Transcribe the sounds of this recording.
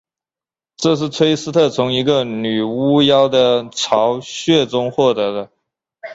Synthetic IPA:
ʈ͡ʂɤ˥˧ʂ̬ɻ̩˥˩t͡sʰwe˥ɪsɹ̩˥t̪ʰɤ˥˩t͡sʰʊ˧˥ŋi˧˥ɡə˧ny˨˩u˥jɑ˥ʊd̪ə˨ʈ͡ʂʰɑ˧˥ʊɕɥɛ˥˩ʈ͡ʂʊ˥ŋxwɔ˥˩t̪ɤ˧˥d̪ə˧

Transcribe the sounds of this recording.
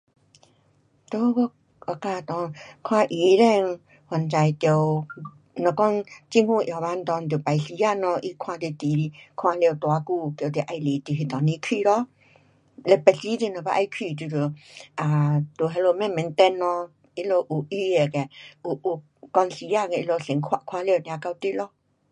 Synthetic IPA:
t̪o˧˦kɔ˧ | ɔ˧kaː˧˨t̪ɔ˨˧˨kʰwã˧˨ʔi˨˧ɾɛ˧˨ŋ | ha˨nt͡ɕa˧jt̪jo˧˨w | nɔ˨˧˨kɔ˧˥˨nt͡ɕi˧˦ŋhu˧˨ʔja˨ba˧˨n˧t̪ɔ˧˨nt̪̬pa˨jsi˧˦ja˧˨nɔ˧ʔi˦kʰwã˧t̪e˧˨t̪i˨˧kʰwã˧lt̪wa˧˦ku˧ko˨t̪e˧˨ʔa˧jli˨t̪i˨ɦe˧˨t̪ɔ˨nĩ˧˦kʰi˧˨ɾɔ˧˦ | lɛ˧pɛ˧si˧˦ti˧˨nɔ˨˧˨pa˧ʔa˧jkʰi˧˨t̪i˧˨ɾə˨ʔa˨t̪o˨ɦɛ˧lo˧mɛ˧˨mɛ̃˨˦nt̪ɛ˧nːɔ˧ | i˧lo˧ʔu˨ʔi˧e˨kɛ˨ʔu˨ʔu˧˨ | kɔ˧nsi˧ja˧˨kɛ˧ʔi˧lo˧ɬe˨˦ŋkʰwa̰˧ʔkʰwã˧li˧˨njã˧ka˧wt̪i˧˦lɔ˧

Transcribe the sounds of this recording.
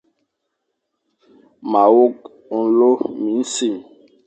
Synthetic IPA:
ma˨wo˦k | u˨˦lo˦mi˨˦n̩˦si˦˨

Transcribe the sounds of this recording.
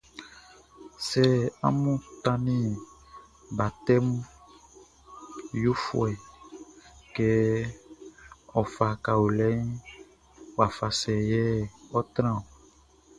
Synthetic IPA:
sɛ˦a̰˦mũ˦t̪ã˦nĩ˦ | ba˨t̪ɛ˦mu˦ | jo˦fw̰ɛ˨ | kɛ˦ | ɔ˨fa˨ka˨wo˨lɛ˦n˦ | wa˨fa˨sɛ˨jɛ˦ɔ˦t̪ɾ̃ã˦˨

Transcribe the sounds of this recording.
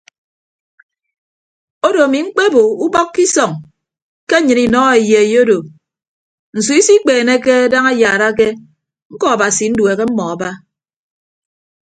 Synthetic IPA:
o˦do˨a˨mi˨ŋ͡m̩˦k͡pe˦bo˨u˦bɔ˦kːi˦sɔ˨ŋ | ke˦ɲɨ˨ni˨nɔ˦e˨je˨jo˦do˨ | n̩˨su˨˦i˦si˦k͡peː˨ne˦ke˦a˦da˦ŋa˦jaː˨ɾa˦k̬e˦ | ŋ̩˦kɔ˦a˨ba˨si˨n̩˦dwe˨ɣe˦m̩˦mɔ˨a˨ba˦

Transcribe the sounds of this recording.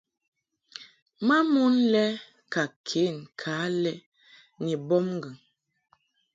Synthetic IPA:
ma˦mu˦nlɛ˦ | ka˨kʰe˨˦˨nkʰaː˨˦lɛ˦ | ni˨bɔ˦mŋ˦ɡə˨ŋ

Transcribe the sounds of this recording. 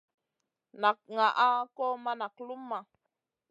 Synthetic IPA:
na˨k̚ŋa˨ʔa˦kɔ˦ma˦na˨k̚lu˦mːa˨

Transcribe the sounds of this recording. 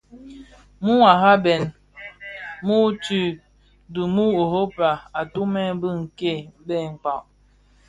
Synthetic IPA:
mu˦a˨ɦa˦bɛ˨n | mu˦t͡ʃi˦˨ | du˨mu˦o˨ɦo˦pa˨a˨tu˦mɛ˦bɨ˦ŋ̩˨ke˦˨˦bɛ˦˨ŋ̩˨k͡pa˨ʔ

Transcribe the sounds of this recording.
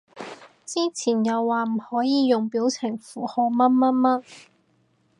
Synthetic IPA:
t͡siː˥t͡sʰiː˨˩njɐ˨˧wːaː˨m̩˨˩hɔː˨˥jiː˨˧jʊ˨ŋpiː˨˥wt͡sʰɪ˨˩ŋfuː˨˩hɔː˨˧mɐ˥t̚mɐ˥t̚mɐ˥t̚

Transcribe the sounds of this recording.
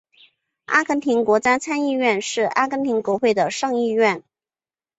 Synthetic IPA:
a̰˥kʰə˧˥nt̪ʰi˧˥nkwɔ˧˥t͡ɕja˥t͡sʰa˥ni˥˧ɥɛ˥˧nʂɻ̩˥˩a̰˥kʰə˧˥nt̪ʰi˧˥ŋkwɔ˧˥xwe˥˩ɪd̪ə˩ʂɤ˥˧ŋi˥˧ɥɛ˥˩n

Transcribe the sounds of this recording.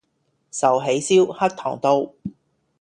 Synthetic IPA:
sɐ˨wɦe˨˥jsiː˥whɐ˥k̚t̪ʰɔ̰ː˨˩ŋt̪o˧w

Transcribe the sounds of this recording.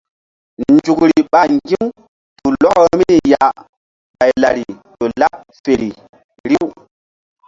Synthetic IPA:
nd͡ʒu˨kɾi˨ɓa˨ŋɡi˦m | tu˨lɔ˦kmi˦ni˨ja˨ | ɓa˨jla˨ɾi˨ɗo˨la˦ʔ | fe˨ɾi˨ | ɾi˦w

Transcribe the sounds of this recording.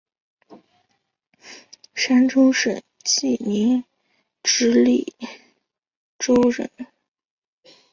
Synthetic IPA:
ʂa˥nʈ͡ʂʰʊ˥ŋʂə̰˨˩n | t͡ɕi˥˩ni˧˥ŋ | ʈ͡ʂɻ̩˧˥li˥˩ | ʈ͡ʂo˥ʊɻə̰˧˩˥n

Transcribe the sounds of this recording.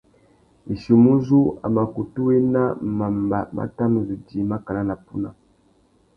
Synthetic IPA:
i˨ʃi˨mu˦zu˦a̰˨ma˨ku˨tu˦we˦na˦ma˨mba˨ma̰˦ta˦mu˨zu˨d͡ʒi˨ma˦ka˨la˦na˨pu˦na˨

